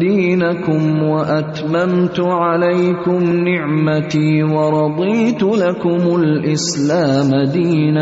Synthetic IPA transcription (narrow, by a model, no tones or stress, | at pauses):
d̪iːnakʊmwaʔat̪mamt̪ʊʕalajkʊmnɪʕmat̪iːwɑɾˤɑd̪ˤiːt̪ʊlakʊmʊlʔɪslaːmad̪iːna